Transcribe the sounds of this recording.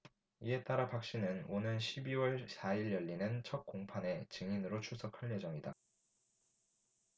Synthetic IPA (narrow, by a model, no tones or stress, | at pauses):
ie̞t͈aɾapak̚ɕ͈inɯnonɯnɕʰibiwʌɭsaiɭjʌʎːinɯnt͡ɕʰʌt̚k͈oŋpʰane̞t͡ɕɯŋinɯɾot͡ɕʰusʰʌkʰaʎje̞d͡ʑʌŋida